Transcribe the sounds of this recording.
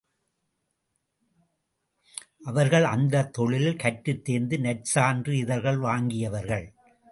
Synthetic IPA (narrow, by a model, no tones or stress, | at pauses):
ʔɐʋɐɾɣɐɭɐnd̪ɐt̪ːɔɭɪlɪlkɐʈːɯt̪ːeːnd̪ɯnɐʈsaːndrɯɪðɐɾɣɐɭʋaːŋɡɪjɐʋɐɾɣɐɭ